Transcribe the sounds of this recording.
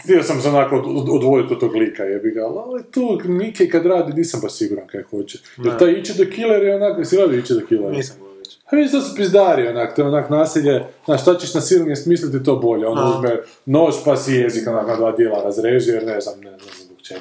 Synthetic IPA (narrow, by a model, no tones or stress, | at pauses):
xt̪iosamseonakood̪ʋod̪it̪ot̪t̪oːɡlikajebiɡalalit̪uːmikekad̪ɾaːd̪iniːsambaʃsiɡuɾankakʰoːd͡ʑe | jelt̪ajit͡ʃed̪okileɾionaksiladiit͡ʃɛd̪okileɾi | paʋeiʃt̪osepɾizd̪aːɾionako̥t̪oeonakonaːsiʎeznaːʃt̪at͡ɕeʃnasilniest̪miːslit̪it̪oːbo̞ʎeond̪auzme | noːt͡ʃpasijezikonakonad̪ʋaːd̪jelˠaɾazɾeːʒijeɾneznamneznamamokt͡ʃe